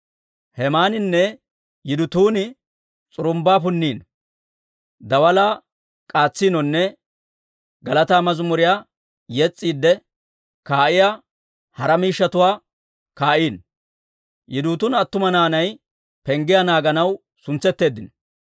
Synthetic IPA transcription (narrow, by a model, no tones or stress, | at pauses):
hɛmaːnɪnːɛ | jɪd̪ʊt̪uːnɪ | t͡sʼʊɾʊmbaːp̬ʊnːiːn | d̪ɐwɐlaː | kʼaːt͡sːiːnɔnːɛ | ɡɐlɐt̪aːmɐzʊmʊɾɪjaː | jɛt͡sʼːiːd̪ːɛ | kaːʔɪjaː | hɐɾɐmiːʃːɐt̪ʊwaː | kaːʔiːn | jʔɪd̪uːt̪ʊnɐt̪ːʊmɐnaːnɐj | pɛŋɡɪjanaːɡɐnɐw | sʊnt͡sːɛt̪ːe̞ːd̪ːɪn